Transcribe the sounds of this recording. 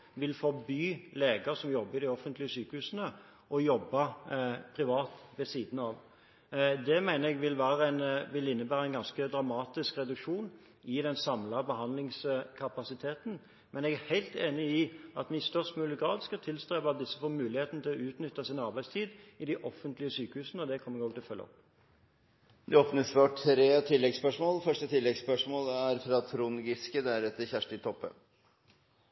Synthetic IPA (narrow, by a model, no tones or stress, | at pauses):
ʋɪlfɔbyːleːɡɑsɔmjɔbːəɪd̪ɪɔfːənt̪lɪəsyːkəhʉːsənə | ʔɔjɔbːɑpʰɾɪʋɑːt̪ʋɛsiːd̪n̩ɑʋ | d̪ɛmæɪnəɾɛɡʋɪlʋæːɾəænʋɪlɪnːəbæːɾəæɛnɡɑnskəd̪ʁɑmɑːt̪ɪskɾɛd̪ʉkʂuːn | ɪd̪ɛnsɑmlɑbəɦɑnd̪lɪŋskʰɑpɑsɪt̪ʰeːt̪n̩ | mɛnɛɡæhæɪlt̪eːnɪɪʔɑt̪ʋɪst̪œʁʂt̪mʉːlɪɡɾɑːd̪skɑt̪ʰɪlst̪ɾeːʋəɑt̪̚d̪ɪsːəfoːɾmʉːlɪheːt̪nət̪ʰɪlɔʉːt̪nʏt̪ːɑsɪnɑɾbæɪst̪ʰiːd̪ɪd̪æʔɔfːənt̪lɪəsyːkəhʉːsənəɔd̪ɛkʰɔməɡɔːɡt̪ɪlfœlːɔ̰p | d̪ɛoːpnɪŋsføːʈtɾeːt̪ʰɪlːɛɡspœʂmoːlfœʂʈət̪ʰɪlːɛɡspœʂmoːlæɾfɾɑt̪ʰɾʊŋɡɪskəd̪æɾɛt̪ːəçæʂʈɪt̪ʰɔpːə̰